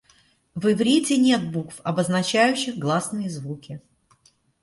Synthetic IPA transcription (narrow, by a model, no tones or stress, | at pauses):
vɪvɾʲitʲɪnʲet̪̚bukfɐbəznɐt͡ɕæjʉɕːɪxɡlˠasnɨjəzvukʲɪ